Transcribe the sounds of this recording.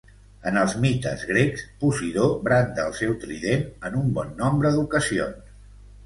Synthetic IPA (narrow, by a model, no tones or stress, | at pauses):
ənəlˠzmit̪ə̰zɣɾekspusiðoβɾant̪əːlˠsɛwt̪ɾiʎenənumbɔnːɔmbɾəðukəsio̰ns